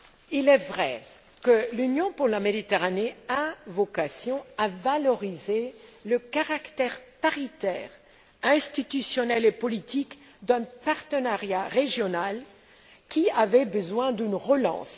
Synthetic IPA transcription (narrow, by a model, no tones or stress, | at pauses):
ilɛvʁɛ | kəlynjɔ̃puʁlamed̪it̪eʁaneɛ̃vɔkasjɔ̃avalɔʁizeləkaʁakt̪ɛʁpaʁit̪ɛːʁ | ɛ̃st̪it̪ysjɔnɛlepɔlit̪ik | d̪ɛ̃paʁt̪ənaʁjaʁeʒjɔnal | kʲiavɛbəzwɛ̃d̪ynʁəlɑ̰̃ːs